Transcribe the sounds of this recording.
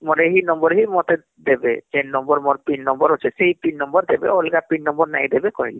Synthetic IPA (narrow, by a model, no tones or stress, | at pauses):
mɔɾeɦinɔmbɔɾɦimɔt̪e | d̪ebetennɔmbɔɾmɔɾpinnɔmbɔɾɦot͡ʃʰeseɦipinːɔmbɔɾd̪ebḛolɡapinːɔmbɔɾna̰jd̪ebekɔɦili